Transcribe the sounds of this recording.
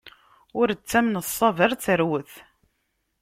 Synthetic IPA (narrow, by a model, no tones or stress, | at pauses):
ʊɾət͡sːæmnəsˤːɑvəɾˤθəɾwəθ